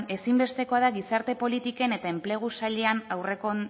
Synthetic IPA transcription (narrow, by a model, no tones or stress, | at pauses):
e̞simbe̞st̪e̞ko̞aðaɣisaɾt̪e̞po̞lit̪ike̞ne̞t̪ae̞mple̞ɣ̞usaʎe̞anawre̞ko̞